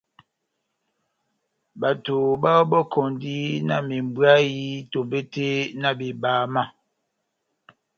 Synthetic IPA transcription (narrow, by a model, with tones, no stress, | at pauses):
ba˨to˨ba˦bɔ˦kʰɔ˨ndi˦na̰˦˨mi˨m˨bwa˦ji˦to˨mbe˦te˦na˦bi˨baː˨ma˦˨